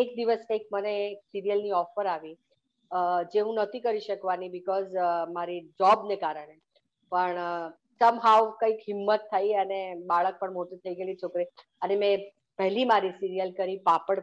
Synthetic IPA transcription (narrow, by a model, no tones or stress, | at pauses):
ek̚d̪iʋəseik̚məneːksiɾijəlniɔfəɾaʋi | d͡ʒeũnət̪ʰikəɾiʃəkʋanibɪkɔzmaɾid͡ʒɔbnekaɾəɳ̃e | pəɳ | t̪əmɦawkəikɦɪmːət̪ʰːajənebaɭək̚pəɳmoʈit̪ʰəiɡəelit͡ʃʰokɾi | ənemɛ̃ | pɛɦlimaɾisiɾijəlkəɾipapəɽ